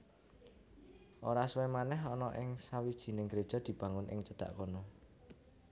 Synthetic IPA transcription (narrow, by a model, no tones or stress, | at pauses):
ʔoɾaswɛmanɛɦɔnɔʔɪŋsawid̥ʒ̥i̤nɪŋɡəɾed̥ʒ̥ɔ̤d̪̥i̤b̥ä̤ŋʊnʔɪ̰ŋt͡ʃəd̪̥a̤̰ʔkonɔ